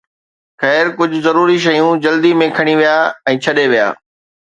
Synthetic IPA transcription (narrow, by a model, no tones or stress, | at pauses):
xɛːɾkʊd͡ʑʱʊzɐɾuːɾiʃɐjũd͡ʑɐld̪imẽkʰɐɽ̃iʋijaːɛ̃ːt͡ɕʰɐɗeʋija̰ː